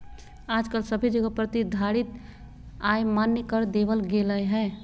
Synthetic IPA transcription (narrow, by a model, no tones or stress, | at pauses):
aːd͡ʒkəlsəbʱid͡ʒəɡəpɾət̪id̪ʱaɽit̪ | ajmanjəkəɾd̪eʋəlɡeləjɦɛ̃ː